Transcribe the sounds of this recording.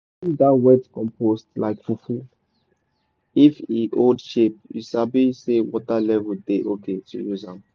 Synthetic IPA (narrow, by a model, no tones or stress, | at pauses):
dawɛdkɔ̃mpʰostlaɪkfufu | ifiʔodʃep̚juʃabisewɔtalɛvudeʔoketujuzãm